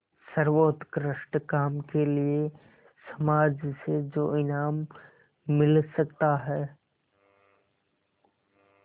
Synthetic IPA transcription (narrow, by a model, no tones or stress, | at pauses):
sɐɾʋoːt̪kɾɪʃʈkaːmkelie | sɐmaːd͡ʒsed͡ʒoːɪnaːmː | ɪlsɐkt̪aɦɛː